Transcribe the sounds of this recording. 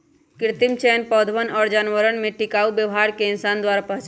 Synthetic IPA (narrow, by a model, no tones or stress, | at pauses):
kɾt̪imt͡ʃɛnpɔd̪ʱʋənɔːɾd͡ʒanʋəɾənmeʈikaubjəʋɦaɾkeɪnsand̪waɾapəɦt͡ʃ